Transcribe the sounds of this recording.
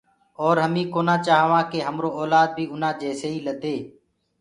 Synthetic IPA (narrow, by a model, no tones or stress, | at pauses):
ɔːɾɦəmĩːkoːnãːt͡ʃaːɦʋãːkeːɦəmɾoːɔːlaːd̪̚bʱiːʊnãːd͡ʒɛːseːiːləd̪ʱeː